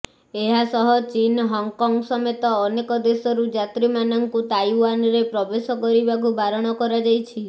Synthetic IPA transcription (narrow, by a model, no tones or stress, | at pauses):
eɦasɔɦɔt͡ʃinɦɔŋkɔŋɡsɔmet̪ɔːnekɔd̪esɔɾud͡ʒat̪ɾimanɔŋkut̪ajwanɾepɾɔbesɔkɔɾibakubaɾɔɽ̃ɔkɔɾad͡ʒajt͡ʃʰi